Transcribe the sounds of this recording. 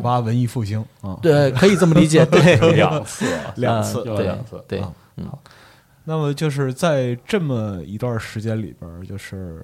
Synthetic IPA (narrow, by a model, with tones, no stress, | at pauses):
pa˥wə˧˥ni˥˧fu˥˩ɕi˥ŋɐ˥˧t̪we˥˩ɤ˧˥i˨˩t͡sə˥˩mə˩li˧˥t͡ɕjɛ˨˩˦wḛ˥˧˩ | ljɑ˨˩ŋt͡sɹ̩̰ʰ˥˩˧t̪wḛ˥˩˧ | na˥˩mə˩t͡ɕjo˥˧ʊʂ̬ɻ̩˥˧t͡sa˥˧ɪʈ͡ʂɤ˥˩mə˩ḭ˧˥t̪wa˥˩ʂɻ̩˧˥t͡ɕjɛ˥nlḭ˨˩bjə̰˧˥t͡ɕjo˥˧ʊʂɻ̩˥˩